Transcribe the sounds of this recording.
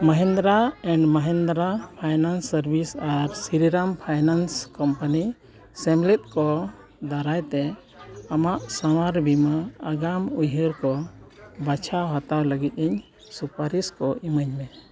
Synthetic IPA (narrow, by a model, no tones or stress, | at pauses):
məɦɛnd̪ɾaɛɳɖməɦɛnd̪ɾapʰajnansːəɾbisaɾsiɾiɾampʰajnanskɔmpani | sɛmlit̪̚ˀkɔ | d̪aɾajt̪ɛ | amaʔsawaɾbʱimaːɡamujɦəɾkɔbat͡ʃʰaɦat̪awləɡit̪̚ˀiɲ | supaɾiskɔʔiməɲbɛ